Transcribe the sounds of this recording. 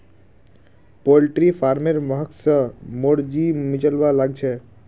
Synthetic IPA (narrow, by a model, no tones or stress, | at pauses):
polʈɾipʰaɾmeɾməɦəksəmoɽd͡ʒimɪt͡ʃəlʋalaɡt͡ʃʰɛ